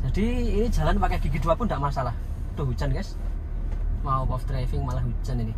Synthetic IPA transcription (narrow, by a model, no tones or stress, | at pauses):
d͡ʒ̥ad̥̪iːni̥d͡ʒ̥ä̤lanpakeaɡ̥ikid̪uapʊnd̪aʔmasalah | d̥̪o̤ɦut͡ʃənkɛs | maupɔft̪ɾafɪŋmalaɦut͡ʃəniki